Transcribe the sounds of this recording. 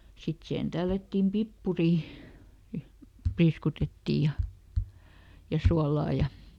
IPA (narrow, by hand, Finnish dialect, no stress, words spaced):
sit sihen tælːætːiːm pipːuriˑ priːskutetːiˑj jɑ jɑ suɑlɑː jɑ